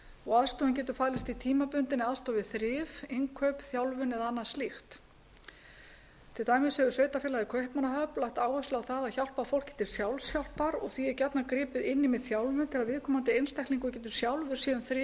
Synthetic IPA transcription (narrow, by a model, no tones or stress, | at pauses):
ɔɣaðst̪ɔːɪnc̬ɛːt̪̬ʏɾfaːlɪst̪it̪ʰiːmapʏnt̪ɪnaðst̪ɔːvɪðθɾɪːveŋkʰœɥpθjawlvʏnɛðanːḁslixt̪ | t̪ʰɪlt̪aːjmɪsɛðʏsvejt̪afjɛːlaðɪkʰœɥhpmanaɦœplajht̪aːwhɛst̪lawθaðaðçawl̥pafowl̥cɪ̥t̪ʰɪlsjawlsjawl̥paɾɔɣθiɛɾcɛt̪nakɾɪːpɪðɪnːɪmɛðθjawlvʏnt̪ʰɪlaðvɪðkʰɔːmant̪ɪejnst̪ɛhk̪t̪liŋkɔcɛːt̪ʏ̥sjawlvʏɾ̥sɛːðʏmθɾɪ